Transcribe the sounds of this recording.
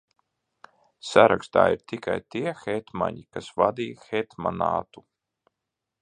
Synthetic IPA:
saɾakst̪a̰ːiɾt̪ikajt̪iɛxɛt̪ma̰ɲikasvad̪iːxɛt̪manaːt̪u

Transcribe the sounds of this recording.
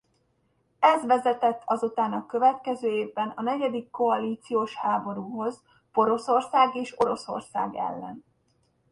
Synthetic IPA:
ɛzʋɛzɛt̪ɛt̪ʰːɒzut̪aːnɒkøvɛt̪kɛzøːeːvbɛnɒnɛɟɛd̪ikːo̞ɒliːt̪sijoːʃhaːbo̞ɾuːɦo̞z | po̞ɾo̞so̞rsaːɡeːʃo̞ɾo̞so̞̰rsa̰ːɡɛ̰lːɛ̰n

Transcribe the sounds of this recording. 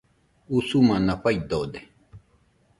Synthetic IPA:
usumãnãɸajd̪od̪e

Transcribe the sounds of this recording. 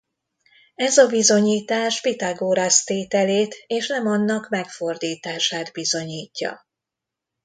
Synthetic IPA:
ɛzɒbizo̞ɲiːt̪aːʃpit̪aɡoːɾast̪eːt̪ɛleːt̪eːʃnɛmɒnːɒkmɛkfo̞rd̪iːt̪aːʃaːd̪bizo̞ɲiːcːɒ̰

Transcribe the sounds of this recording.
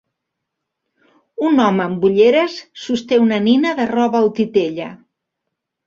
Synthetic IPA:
unɔməːmbuʎeɾəsːust̪eunəninəðərɔβəːwt̪it̪eʎə

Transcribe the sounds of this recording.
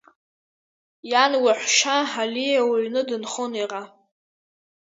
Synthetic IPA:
janwaħʷʃaħalijawaɥnɨdɨnχoniʁa

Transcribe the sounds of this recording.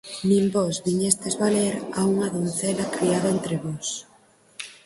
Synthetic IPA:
nĩmbɔzβiɲest̪ezβaleɾauŋɐðon̟θɛlɐkɾiaðaent̪ɾeβɔs

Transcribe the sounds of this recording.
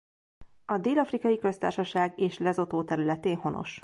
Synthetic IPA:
ɒd̪eːlɒfrikɒjikø̞st̪a̰ːrʃɒʃaːɡeːʃlɛzo̞t̪oːt̪ɛɾylɛt̪eːnho̞no̰ʃ

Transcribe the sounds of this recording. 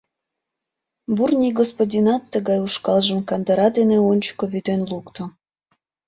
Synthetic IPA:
burnʲiɡospodʲinɑt̪ːəɣɑjuʃkɑlʒəmkɑnd̪əɾɑd̪eneonʲt͡ɕkoβyd̪enlukt̪o

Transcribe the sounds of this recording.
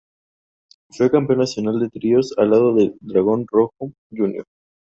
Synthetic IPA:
fwekampeonːasjo̞nald̪e̞t̪ɾio̞salað̞o̞ðe̞d̪ɾaɣ̞o̞nro̞xo | ʝunjo̰ɾ

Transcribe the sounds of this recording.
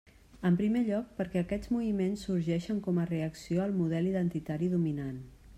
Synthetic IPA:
əmpɾimeʎɔk̚pəɾkɛəkɛd͡zmuβimensːuɾʒɛʃəŋkɔməreəksioəlˠmuð̞ɛliðənt̪it̪aɾiðuminan

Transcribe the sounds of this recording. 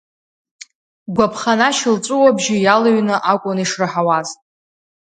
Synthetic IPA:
ɡʷapʰχanaʃɪlt͡sʷʼʊwabʒɪjalaɥnɨʔakʷʼʊniʂrɨħawaztʼ

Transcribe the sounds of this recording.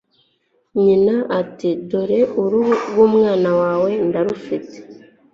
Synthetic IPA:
ɲinaʔatidoɾe̞uɾuɡwuːmŋaːnawaːwe̞ndaɾufite̥

